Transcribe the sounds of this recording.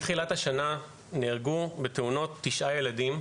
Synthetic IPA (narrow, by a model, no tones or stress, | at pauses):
tχilathaʃana | niʁɡubeteuno̞tːiʃʔaje̞ladim